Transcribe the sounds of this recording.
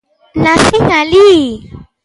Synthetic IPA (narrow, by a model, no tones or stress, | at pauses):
nafiŋali